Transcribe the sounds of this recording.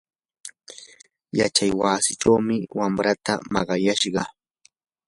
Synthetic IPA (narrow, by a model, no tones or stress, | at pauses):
jat͡ʃajwaːsɪʈ͡ʂawmɪwamɾat̪a̰mɑɢɑjaʃɢɑ